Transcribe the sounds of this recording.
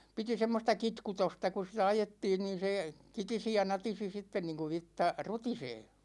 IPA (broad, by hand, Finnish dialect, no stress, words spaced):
piti semːostɑ kitkutostɑ ku sitæ ɑjetːiːn niːn̞ se kitisi jɑ nɑtisi sitːen niːŋku ʋitːɑ rutiseː